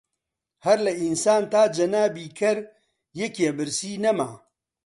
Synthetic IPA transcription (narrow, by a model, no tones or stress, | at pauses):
hɐɾlɐinsaːnt̪aːd͡ʒɐnaːbiːkʰɐɾ | jekebɨɾsiːnɐmaː